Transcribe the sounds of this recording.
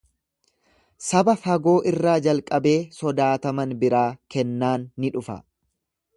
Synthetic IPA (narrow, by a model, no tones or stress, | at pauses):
sɐbɐfɐɡo̞ːʔɪrːaːd͡ʒɐlkʼɐbe̞ːsɔd̪aːt̪ɐmɐnbɪɾaːkɛnːaːnːɪᶑʊfɐ̰